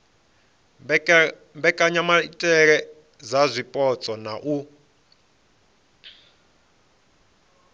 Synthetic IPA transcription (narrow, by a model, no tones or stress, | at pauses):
mbɛkʼaɲamatʼɛɺ̬ɛ | zazʷipʼɔt͡sʼɔnaʔu